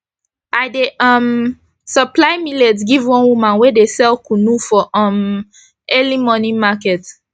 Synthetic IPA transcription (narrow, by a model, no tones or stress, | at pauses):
ʔaɪdeʔʌm | səplaɪmilɛtɡivwɔ̃nwumãnwedesɛlkunufɔʔɔ̃m | ɛlimɔnĩmakɛt